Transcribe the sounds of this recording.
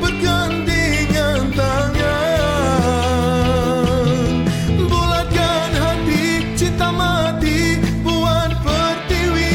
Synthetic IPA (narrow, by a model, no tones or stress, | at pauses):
bəɡant̪i | ŋant̪aŋa | mbulakanɦat̪i | t͡ʃint̪amat̪ibuanpərt̪iwi